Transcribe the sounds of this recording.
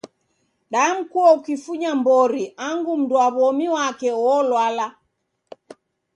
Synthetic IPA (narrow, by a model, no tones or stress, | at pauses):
ɗam̩kuɔukifuɲambɔɾiʔaŋɡum̩duaβɔmiwakɛwɔlwala